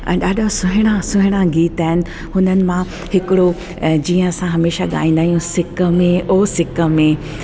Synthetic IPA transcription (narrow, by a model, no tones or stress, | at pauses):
ɛ̰̃ːɗaːɗʱosʊɦɪɽ̃ãsʊɦɪɽ̃ãɡiːt̪aːɦɪnɪ̆ | hʊnənɪ̆mã | hɪkɪɽo | d͡ʑiːə̃ɐsãɦɐmeːʃaɠa̰ːĩːn̆d̪aːɦijũsɪkəmẽʔoːsɪkəmẽ